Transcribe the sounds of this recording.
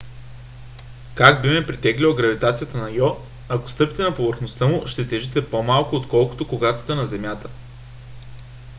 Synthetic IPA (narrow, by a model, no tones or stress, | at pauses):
kaɡbimɛpɾit̪ɛɡlʲilˠɐɡɾɐvit̪at̪sijət̪ənɐjɔ | ɐko̥st̪ɤpi̥t̪ɛnɐpovəɾxnost̪əmʊʃt̪ɛt̪ɛʒit̪ɛpomalˠkʊot̪kɔlˠko̥t̪okoɡat̪o̥t̪ɛnɐzɛmjat̪ə̥